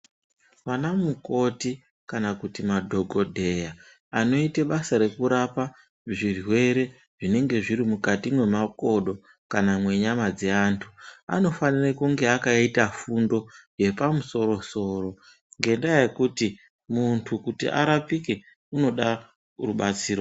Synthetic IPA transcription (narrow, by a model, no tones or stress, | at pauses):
ʋanamuko̞ti | kanakutimadʱo̞ɡʱo̞dʱe̞ja | ano̞iteɓasaɾe̞kuɾapa | ʐirwe̞ɾe̞ | ʐ̥ine̞ŋɡe̞ʐiɾimukatimwe̞mako̞ɗo̞ | kanamwe̞ɲamad͡zeantʰua̰no̞fanirakuŋɡe̞akaitafundo̞je̞pamuso̞ɾo̞so̞ːro̞ | ŋɡe̞ndajaje̞kuti | muntʰukutḭʔa̰ɾapike | uno̞ɗa | ruɓat͡siːɾo